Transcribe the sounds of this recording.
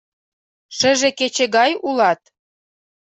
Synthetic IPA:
ʃɘ̆ʒĕket͡ɕĕɣɑjulɑt̪̚

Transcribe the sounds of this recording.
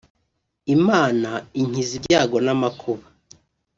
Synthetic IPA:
imaːnaiɲ̥izibɟaːɡo̞namakʰoβa

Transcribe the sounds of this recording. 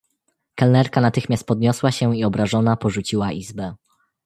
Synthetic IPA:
kalnɛɾkanat̪ɘxmʲast̪̚pɔd̪ɲɔswaɕɛiɔbɾaʐɔnapɔʐut͡ɕiwaʔizbɛ

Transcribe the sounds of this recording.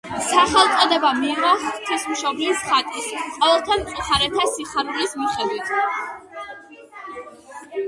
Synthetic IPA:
saχɛlˠt̪sʼɔd̪ɛbamiːʁɔhʼt̪ʰismʃɔblisχat̪ʼisqʼɔɛlˠt̪ʰamt̪sʼuχaɾɛt̪ʰasiχaɾulismiχɛd̪wit̪ʰ

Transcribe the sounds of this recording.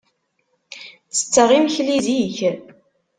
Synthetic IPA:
t͡sːə̥t͡sːəʁimçliziç

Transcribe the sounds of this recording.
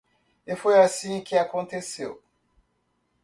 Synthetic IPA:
efojasĩkʰeakɔ̃nteseʊ̰

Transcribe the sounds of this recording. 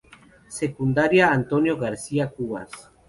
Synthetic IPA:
sekund̪aɾjaːnt̪onjoɣaɾsiakuβa̰s

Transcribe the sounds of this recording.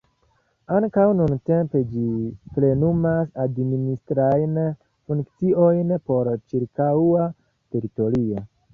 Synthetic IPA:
aŋkawnunte̞mpe̞d͡ʒiple̞numasadministɾajn | fuŋkt͡sio̞jnpo̞ɾt͡ʃiɾkaa | te̞ɾito̞ɾio̞

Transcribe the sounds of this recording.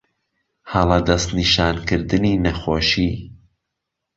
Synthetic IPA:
hɐlˠɐd̪ɐst̪niʃaːnkɨɾd̪ɨniːnɐxoːʃiː

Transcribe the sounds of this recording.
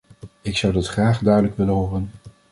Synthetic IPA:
ɪksʌwdɑtχraːχdœɥdələkʋɪlənɦoːrən

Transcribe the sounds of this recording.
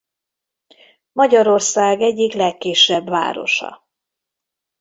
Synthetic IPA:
mɒɟɒɾo̞rsaːɡɛɟːiklɛkːiːʃɛbʋa̰ːɾo̞̰ʃɒ̰

